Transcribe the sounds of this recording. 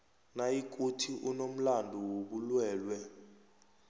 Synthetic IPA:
najikʼutʰiʔunom̩landʱuwoɓulwɛːlwɛ

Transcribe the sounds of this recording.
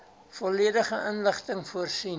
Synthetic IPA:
fɔliədəχəʔənləχtəŋfuərsin

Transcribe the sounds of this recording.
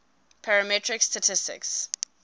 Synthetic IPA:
pʰaɹəmɛtʰɹɪkstatʰɪstɪ̰ks

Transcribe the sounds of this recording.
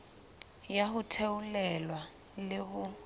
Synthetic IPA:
jahʊtʰeulɛlwa | lɪɦʊ

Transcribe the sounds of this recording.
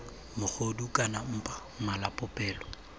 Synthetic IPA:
mʊk͡xʰodukʼanam̩pʼa | malapʼʊpʼɛːlɔ

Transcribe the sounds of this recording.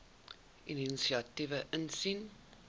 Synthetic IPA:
ʔininsiɑtivəʔənsin

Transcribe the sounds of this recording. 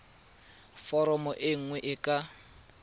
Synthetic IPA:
fɔɾɔmɔʔɪŋ̩ŋwɛʔɪkʼa

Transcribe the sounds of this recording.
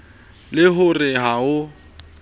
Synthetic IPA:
lɪɦʊrɪɦaʊ

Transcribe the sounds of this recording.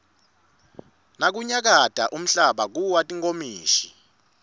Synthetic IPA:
nak̬uɲak̬ad̥ʱa̰ʔum̩ɬaɓak̬uwatʼiŋkomiːʃi̥

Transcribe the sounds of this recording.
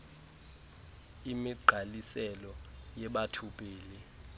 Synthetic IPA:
imiɡ͡ǃʱalisɛlɔjɛɓatʰupʼeːli

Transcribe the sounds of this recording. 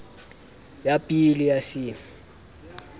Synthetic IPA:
japʼilijasɪ

